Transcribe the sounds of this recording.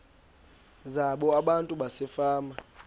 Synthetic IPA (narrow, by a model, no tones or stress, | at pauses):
zaɓɔaɓantʼuɓasɛfaːma